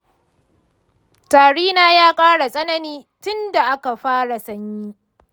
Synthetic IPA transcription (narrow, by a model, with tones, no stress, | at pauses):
taː˨ɽiː˦naː˦jaː˦kʼaː˦ɽa˨sʼɐ˦nɐ˦niː˦tʊ˦nda˨ʔa˦ka˨ɸaː˦ɽa˨sɐ˦ɲjiː˦